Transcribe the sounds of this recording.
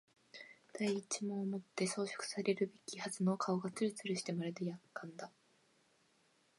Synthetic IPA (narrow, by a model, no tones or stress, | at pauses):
d̪̥aiːt͡ɕimõ̞ːmo̞t̪ːe̞so̞ːɕo̥kɯ̟̥saɾe̞ɾɯ̟be̞kʲihazɨno̞ːkʰao̞ɡat͡sɨɾɯ̟t͡sɨɾɯɕi̥t̪e̞maɾed̪ejakːãnd̪a